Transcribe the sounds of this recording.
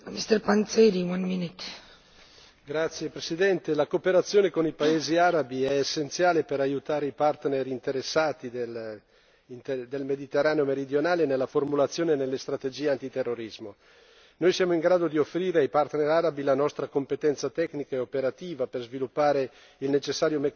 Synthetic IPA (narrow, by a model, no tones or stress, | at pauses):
mist̪əɾpãnseɾiwãnminit | ɡɾat̪sːjepɾesid̪ɛnt̪elakopeɾat̪sːjoːnekonipaeːziaɾabiɛːsːent̪sjaːlepeɾajut̪aːɾeipart̪neɾint̪eɾesːaːt̪id̪el | nd̪elmed̪it̪erːaːneomeɾid̪jonaːlenelːaformulat̪sːjoːnenelːest̪ɾat̪ed͡ʒiːeant̪it̪erːoɾizmo | nojsjaːmoiŋɡɾaːd̪od̪iofːɾiːɾeajpart̪neɾaɾabilanɔst̪ɾakompet̪ɛnt̪sat̪ɛknikaeopeɾat̪iːvaperzvilupːaːɾe | ilnet͡ʃesːaːɾjomek